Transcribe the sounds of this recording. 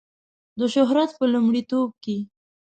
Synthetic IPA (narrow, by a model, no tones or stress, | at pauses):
d̪əʃʊɦɾat̪̚pəlumɽit̪ob̚ke